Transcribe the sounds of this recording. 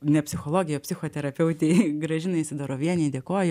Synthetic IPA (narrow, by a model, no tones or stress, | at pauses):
nʲɛpʲsʲɪxoːlˠoːɡʲɪjoːpʲsʲɪxoːt̪ʲɛɾɐpʲɛʊt̪ʲeɪɡɾɐʒʲɪnɐɪɪʃʲsʲɪd̪ɑːɾoːʋʲiɛnʲɛɪd̪ʲeɛkoːj